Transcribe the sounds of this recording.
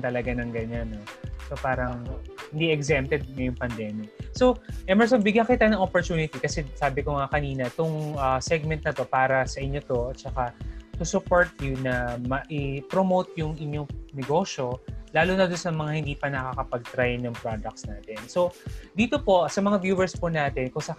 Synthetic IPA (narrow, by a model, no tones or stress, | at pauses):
t̪ɐlɐɡanɐŋɡɐɲanːosopaːɾɐŋhɪnd̪iʔɛɡsɛmpt̪ɛd̪̚ŋɐjʊŋpɐnd̪ɛːmɪk̚so̞wʔɛmɛɹsonbɪɡjakɪt̪anɐŋopoɹt̪uːnɪt̪ikɐsɛsaːbɪkoŋakɐniːnɐt̪ʊŋʔɐsɛɡ̚mɛnt̪̚nɐt̪o̞paːɾɐsɐʔɪɲːo̞t̪o̞t̪t͡ʃɐkat̪ʊsʊpoɹt̪̚jʊnɐmɐʔɪpɾomowt̪̚jʊŋʔɪɲjonɛɡo̞ʃo̞laːlunɐd̪ʊnsɐmɐŋahɪ̃nd̪iːpɐnɐkakɐpɐɡ̚t̪ɾajnɐŋpɾod̪ɐk̚t̪snaːt̪ɛnso̞d̪iːt̪opo̞sɐmɐŋavjuːwɛɹsponaːt̪ɛnkʊŋsɐ